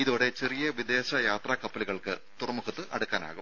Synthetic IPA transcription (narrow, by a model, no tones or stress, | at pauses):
iðoːɽe̞t͡ɕerijɐʋid̪e̞ːɕɐjaːt̪rɐkɐpːɐliɣɐɭkɨt̪urɐmukʰɐt̪ːɨʔɐɽukːaːna̰ːɣum